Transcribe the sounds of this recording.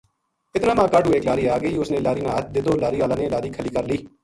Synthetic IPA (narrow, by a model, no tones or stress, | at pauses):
ɪt̪naːmãːkəɖɦʊːeːklaːɾiːaːɡəiːʊsnẽːlaːɾiːnãːət̪̚d̪ɪd̪oːlaːɾiːaːlãːnẽːlaːɾiːkʰəliːkəɾliː